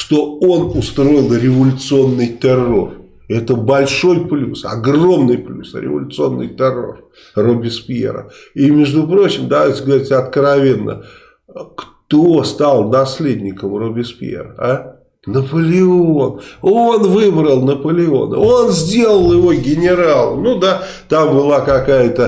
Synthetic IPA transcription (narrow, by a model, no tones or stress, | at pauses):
ʂt̪o̞o̞nʊst̪ɾo̞jɪlˠɾʲɪvəlʲʊt̪sɨo̞nːɨjt̪ɨrːo̞̰r | ɛt̪əbɐlʲʂo̞jplʲṵsɐ̰ɡro̞mnɨjplʲusəɾʲɪ̰və̰lʲʊt̪sɨo̞nːɨ̰jt̪ɨrːo̞̰r | robʲɪspʲɪḛɾə̰imʲɪʐd̪ʊpɾo̞t͡ɕɪmd̪ɐvajtʲɪɡəvɐɾʲitʲɐt̪kɾɐvʲe̞nːə̰ | kt̪ost̪alˠnɐsʲlʲedʲnʲɪkəmrobʲɪspʲḛɾəa | nəpəlʲɪo̞nonvɨbɾəlˠnəpəlʲɪo̞̰nə̰o̞nzʲdʲe̞lˠəlˠjɪvo̞ɡʲɪnʲɪɾalˠə̰nud̪a | t̪ambɨlˠakɐkajət̪ə